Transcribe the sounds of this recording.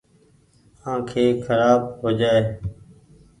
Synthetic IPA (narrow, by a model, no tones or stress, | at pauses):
ãːkʰeːkʰəɾaːb̚ɦoːd͡ʒaːeː